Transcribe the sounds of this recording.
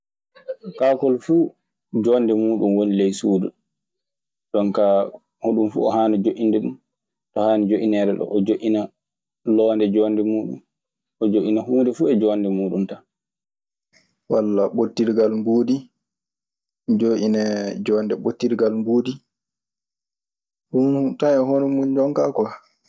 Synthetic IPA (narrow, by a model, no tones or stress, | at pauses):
kakɔlfuː | d͡ʒɔːndɛmuːɗumwonilɛjsuːdu | ɗɔnka | hoɗumfṵɔhaːnɛd͡ʒoʔindɛɗṵm | ɗɔhaːnɛd͡ʒoʔinɛɾɛɗɔ̰ʔːd͡ʒoʔina | lɔːndɛd͡ʒɔndɛmuːɗṵm | ɔd͡ʒoʔinahuːndɛfuɛd͡ʒɔːndɛmuːɗunta | walːaɓotːiɾɡalmboːdi | d͡ʒoʔinɛd͡ʒɔndɛɓotːiɾɡalmboːdi | huntanɛɦonɔmund͡ʒɔŋkakɔ